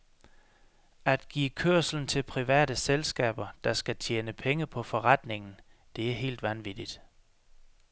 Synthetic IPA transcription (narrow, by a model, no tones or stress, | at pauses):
æd̥ɡ̥ḭːkʰøɐ̰sln̩t͡sʰe̝lpʰʁiʋɛ̰ːɾ̥əselsɡ̥ɛ̰ːb̥ɐd̥ɑ̈sɡ̥æt͡sʰjeːnəpʰeŋəpʰɒ̽fɒ̽ʁɑd̥ne̝ŋn̩ | d̥e̝æɐɦe̝̰ːld̥ʋænʋid̥id̥